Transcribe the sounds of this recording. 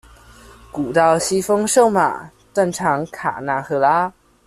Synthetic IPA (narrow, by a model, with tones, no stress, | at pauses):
ku˨˩t̪ɑ˥˩ʊɕi˥fɤ˥ŋʂo˥˩ʊma̰˨˩ | t̪wa˥˩nʈ͡ʂʰɑ˧˥ŋkʰa̰˨˩na˧˥nxɤ˧˥la˥